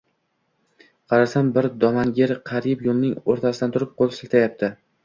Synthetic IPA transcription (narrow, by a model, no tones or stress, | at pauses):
qʰɑɾasambɪɾd̪ɒmanɡʲeɾqʰɑɾɪpjolˠnɪŋoɾt̪ʰasɪd̪ant̪ʰʊɾɪp̚qʰolˠsɪlt̪ʰajap̚t̪ʰɪ